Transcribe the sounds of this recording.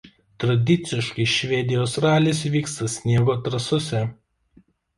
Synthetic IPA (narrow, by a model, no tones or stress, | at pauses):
t̪ɾɐd̪ʲɪt̪sʲɪʃkɐɪʃʲʋʲɛd̪ʲɪjoːsɾɑːlʲɪs̬ʲʋʲiːkst̪ɐsʲnʲiɛɡoːt̪ɾɐsʊsʲɛ